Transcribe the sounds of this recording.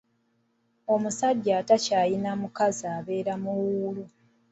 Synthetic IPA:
o̞musaɟːaːtacaːjinamukazaːβe̞ːɾamuwuːlu

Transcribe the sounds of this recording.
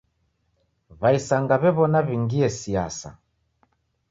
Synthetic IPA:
βaisaŋɡaβɛβɔnaβiŋɡiɛsia̰sa̰

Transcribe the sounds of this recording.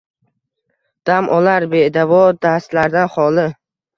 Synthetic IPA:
d̪̥amʔɒlaɾbed̪avɒd̪ast̪laɾd̪anχɒlɪ

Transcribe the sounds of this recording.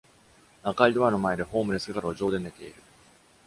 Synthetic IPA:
akaid̪oano̞mae̞d̪e̞ɸo̞ːmɯ̟ɾe̞sɨɡakaɾɯoʑo̞ːd̪e̞ne̞t̪e̞iɾɯ̟

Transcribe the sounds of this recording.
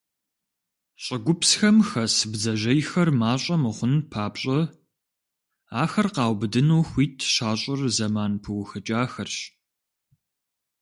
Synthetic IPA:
ɕʼɪɡʷʊpsxɐmxɐsɨbzɐʒɐjxɐrmaːɕʼɐmɨχʷʊnpʰaːpɕʼɐ | aːxɐrqɑːwbɨdɨnɐːxʷiːtʰʃaːɕʼɪrzɐmaːnpʰɨwxɨt͡ʃʼaːxɐrɕ

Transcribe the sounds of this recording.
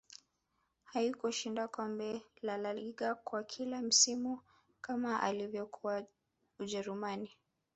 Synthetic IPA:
haikuʃindakɔmbɛlalaliɠakwakʰilam̩simu | kamaʔa̰livjɔkʰuwa | uʄɛɾumani

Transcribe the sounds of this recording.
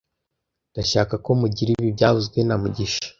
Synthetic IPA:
nd̥aʃaːkako̞muɟiɾiβibɟaːvuzɡwe̞namuɟiʃḁ

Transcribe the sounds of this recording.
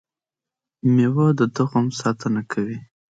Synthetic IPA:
mewəd̪əd̪əɣomsɑt̪ənakʰawi

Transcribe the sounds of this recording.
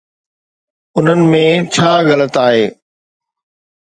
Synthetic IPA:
ʊn̤ənɪ̆mẽt͡ɕʰaːɣɐlət̪aːɦeː

